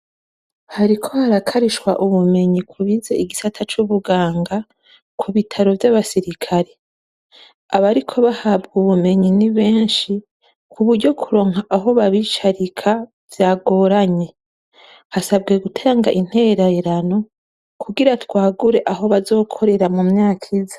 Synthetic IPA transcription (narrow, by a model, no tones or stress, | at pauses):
haɾikʰo̞haɾakʰaɾiʃwaʔuβume̞ɲikʰuβizeiɡisatʰat͡ʃuβuɡaːŋɡa | kʰuβitʰaɾo̞vjaβasiɾikʰaɾe | aβaɾikʰo̞βahabɡuβume̞ɲiniβeːnʃi | kʰuβuɾɟo̞kʰuɾo̞ːŋaʔaɦo̞βaβit͡ʃaɾikʰa | vjaːɡo̞ːɾaɲe̞ | hasab̚ɡe̞ɡutʰeːŋɡa̰ʔin̥he̞ɾaeɾano̞ | kuɡiɾatwaːɡuɾe̞ʔaɦo̞βazo̞ːkʰo̞ɾe̞ɾamumɲaːkʰizḁ